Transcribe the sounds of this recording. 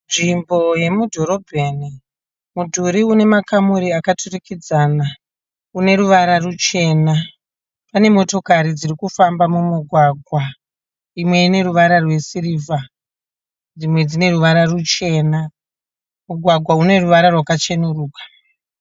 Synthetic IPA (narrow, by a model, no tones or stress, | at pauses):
nʐimbo̞je̞mudʱo̞ɾo̞bʱeni | mudʱuɾiune̞makamuɾiakatʰurikid͡zana | une̞ɾuʋaɾarut͡ʃe̞na | pane̞mo̞to̞kaɾid͡zirikufambamumuɡʱwaɡʱwa | imwe̞ine̞ɾuʋaɾarwe̞siriːva | d͡zimwe̞d͡zine̞ɾuʋaɾarut͡ʃe̞na | muɡʱwaɡʱwaune̞ruʋaɾarwakat͡ʃenuruːkḁ